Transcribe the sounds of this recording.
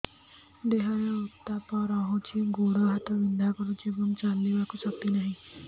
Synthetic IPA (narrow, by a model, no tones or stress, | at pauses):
d̪eɦajɔɔt̪apɔɾɔɦũt͡ʃʰiɡuɽɔɦat̪ɔbind̪ʱakɔɾũt͡ʃibunt͡ʃalːibakusɔk̚t̪inaɦĩ